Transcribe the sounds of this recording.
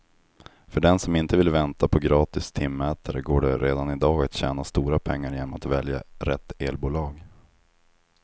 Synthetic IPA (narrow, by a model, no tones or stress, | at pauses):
fœɖɛnsɔmɪnt̪əvɪlvɛnt̪apʰɔɡɾɑːt̪ɪst̪ʰɪmːɛːt̪ʰaɾəɡoːɖɛɾeːd̪anɪd̪ɑːɡat̪ɕɛ̰ːnast̪uːɾapʰɛŋːaɾjeːnɔmat̪vɛlja̰ɾɛt̪ːeːlbuːlɑːɡ